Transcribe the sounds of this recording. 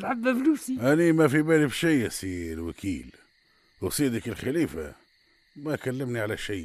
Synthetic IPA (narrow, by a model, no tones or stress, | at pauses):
lʕad̪ːafluːsiʔænimæfibælibʃɪjsilwakʰḭːl | wsˤid̪ikəlxaliːfa̰ | mækælːəmniʕalæʃɪj